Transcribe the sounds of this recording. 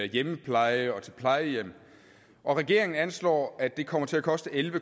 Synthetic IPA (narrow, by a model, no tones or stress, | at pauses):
jeməpʰlɑ̈ɪəɒ̽t͡sʰe̝lpʰlɑ̈ɪəjem̰ | ʔɒ̽ʁɛɡ̥e̝ɐ̰e̝ŋn̩ænslɒ̰ːæd̥e̝kʰɒ̽m̰ɐt͡sʰe̝lækʰɒ̽sd̥əʔelʋə